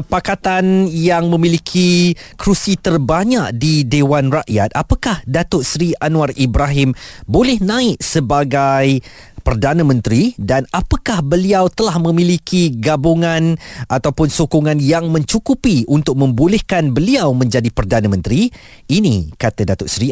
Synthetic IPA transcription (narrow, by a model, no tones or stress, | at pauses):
pakat̪anjaŋmə̃mĩlikʰikɾusit̪ərbaɲaʔdidewanraʔja̰t̪̚apakahdat̪ʊʔsɾianũaribɾaɦɪmbolɛhnãɪʔ̚səbaɡaj | pərdanə̃mə̃nt̪ɾidanapakahbəliawt̪əlahmə̃mĩlikʰiɡabuŋãnʔat̪awpʊnsokoŋãnjaŋmə̃ɲt͡ʃukupiʔunt̪ʊk̚mə̃mbolɛhkanbəliawmə̃ɲd͡ʒadipərdanãmə̃nt̪ɾiː | nḭkat̪adat̪ʊʔsɾi